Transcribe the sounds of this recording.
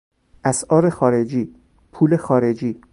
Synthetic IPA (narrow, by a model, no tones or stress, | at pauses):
ʔæsʔɒːɾexɒːɾed͡ʒiː | pʰuːlexɒːɾe̞d͡ʒiː